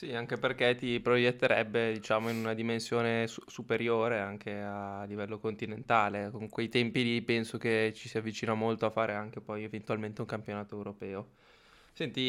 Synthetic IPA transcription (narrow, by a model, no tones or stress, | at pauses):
siaŋkeperkɛt̪ipɾojet̪ːeɾɛ̰bːed̪it͡ʃaːmoinunad̪imensjoːnesusupeɾjoːɾeaŋkʰealivɛlːokont̪inent̪aːlekoŋkwejt̪ɛmpilipɛnsok̟et͡ʃisiavːit͡ʃiːnamolt̪oafːaːɾeaŋk̟epɔjevent̪ualment̪euŋkampjonaːt̪oɛwɾopɛːo | sɛnt̪i